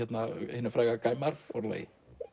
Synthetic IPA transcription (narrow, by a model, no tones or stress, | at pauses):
ɛt̪nahenəfɾaːɣakaːjmaɾfɔɾlḛj